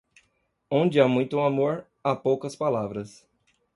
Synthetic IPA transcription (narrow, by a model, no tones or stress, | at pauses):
õnd͡ʒɪamũj̃t̪ʊũamoɾ | apowkɐspalavɾɐs